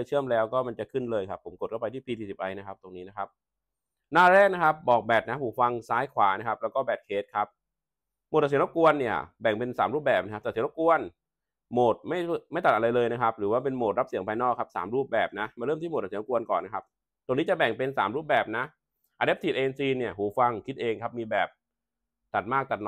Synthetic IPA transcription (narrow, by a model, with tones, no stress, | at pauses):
jt͡ɕʰɯ˥˩əmlɛː˦˥wkɔː˥˩ma˧nt͡ɕa˨˩kʰɯ˥˩nlɤː˧jkʰa˦˥pʰːo˩˦mko˨˩t̪̚kʰpa˧t̪ʰiː˥˩piː˧t͡ɕiː˨˩si˨˩p̚ʔa˧jna˦˥kʰa˦˥p̚t̪o˧ŋniː˦˥na˥kʰa˦˥p̚ | naː˥˩ɾɛː˥˩k̚na˦˥kʰa˦˥p̚bɔː˨˩k̚bɛː˨˩t̪̚na˦˥pʰuː˨˩fa˧ŋsaː˦˥jkʰwaː˩˦na˦˥kʰa˦˥plɛ˦˥wkɔː˥˩bɛː˨˩t̪̚kʰeː˦˥t̪̚kʰa˦˥p̚ | moː˨˩t̪̚ːa˨˩˦ɾku˧ənːi˥˩ɐbɛ˨˩ŋpe˧nsaː˩˦mɾuː˥˩bɛː˨˩p̚na˦˥ka˦˥p̚t̪ɛː˨˩si˩˦ɾku˧ən | moː˨˩t̪̚ma˥˩jʰma˥˩jt̪a˨t̪̚a˧ɾa˧jlɤː˧jna˦˥kʰa˦˥p̚ɾɯː˩˦waː˥˩pe˧nmoː˨˩t̪̚ɾa˦˥p̚si˨˩˦ŋpʰaː˧jnɔː˥˩kʰa˦˥p̚sa̰ː˩˦mɾuː˥˩p̚bɛː˨˩p̚na˦˥maː˧ɾɤ˥˩mt̪i˥˩˨t̪̚ːsku˧ənkɔ̰ː˨˩nːa˦˥kʰa˦˥p̚ | t̪o˧ŋniː˦˥t͡ɕa˨˩bɛ˨˩ŋpe˧nsaː˩˦mɾuː˥˩p̚bɛː˨˩p̚na˦˥ | ʔaː˧de˦˥t̪ʰiː˨˩ʔeː˧nsiː˧ni˥˩ɐəhuː˩˦fa˧ŋkʰi˦˥t̪̚ʔeː˧ŋkʰa˦˥p̚miː˧bɛː˨˩p̚ | t̪a˨˩t̪̚maː˥˩k̚t̪a˨˩t̪̚